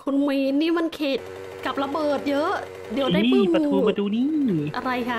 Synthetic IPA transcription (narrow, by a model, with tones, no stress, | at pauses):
kʰu˧nmi˧nːiː˥˩ma˧nkʰeː˨˩t̪̚ | ka˨˩p̚la˧bɤː˨˩t̪̚jɤ˦˥ʔ | di˨˩˦wda˥˩i˧ɯː˥a˧ut̪ːuː˧a˧t̪ʰuː˧niː˥˩ʔa˧ɾa˧jkʰa˦˥˩